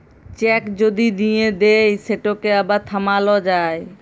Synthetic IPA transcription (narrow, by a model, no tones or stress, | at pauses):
t͡ʃɛkd͡ʒod̪id̪ijed̪ejseʈokeəbat̪ʰəmalɔd͡ʒae